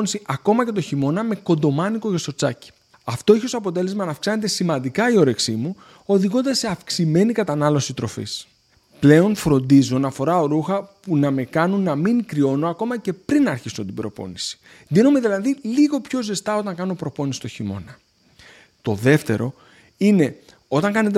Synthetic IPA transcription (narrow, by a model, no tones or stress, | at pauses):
nisiʔɐko̞mɐce̞t̪̬o̞çimo̞nɐme̞ko̞nd̪o̞mɐniko̞ʝest̪o̞ɾt͡sɐci̥ | ɐft̪o̞eçosoɐpo̞t̪e̞le̞zmɐnɐfksɐne̞t̪e̞simɐnd̪ikɐio̞ɾe̞ksimu | o̞ðiɣo̞nd̪ɐsːe̞ɐfksime̞nikɐt̪ɐnɐlo̞sit̪ɾo̞fḭs | ple̞o̞nfɾo̞nd̪izonɐfo̞ɾɐoɾuxɐpunɐme̞kɐnunːɐmiŋkɾio̞no̞ɐko̞mɐce̞pɾinɐɾçisont̪ibɾo̞̰po̞̰nisi̥ | d̪ino̞me̞ðilɐðiliɣo̞pço̞zest̪ɐo̞t̪ɐŋkɐno̞pɾo̞po̞nisi̥t̪o̞çimo̞̰nɐ | t̪o̞ðe̞ft̪e̞̰ɾo̞̰ | ine̞ | o̞t̪ɐŋkɐne̞t̪̬e